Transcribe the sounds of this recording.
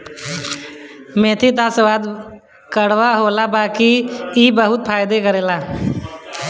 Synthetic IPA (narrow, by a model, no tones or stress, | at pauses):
mẽt̪ʰit̪asʋad̪ | kəɽʋaɦolabaːkiːbəɦʊt̪̚pʰaːjd̪ekəɾeːla